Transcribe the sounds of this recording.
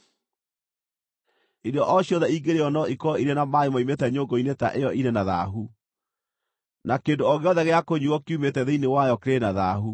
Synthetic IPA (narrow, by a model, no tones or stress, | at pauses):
iɾeɔʔɔɕiɔðɛiːɡeɾeɔnɔikɔiɾenamaemɔimetɛɲoŋɡoineta̰ʔejɔʔinenaða̰ɦu | nakeːndoɔɣeɔðɛɣeakoɲuɔkiumetɛðeinewajɔkeɾenaðaɦu